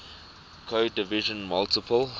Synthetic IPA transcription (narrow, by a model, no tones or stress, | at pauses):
kʰodɪviʒə̃nmaltɪpəl